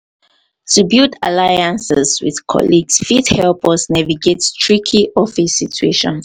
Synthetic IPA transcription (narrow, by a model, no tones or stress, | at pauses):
tʰubilda̰lajãnsɛswḭðkʰɔ̰liɡsfidhɛlpəsnaviɡetstʰɹikʰiʔɔfisitʰueʃɔ̰̃n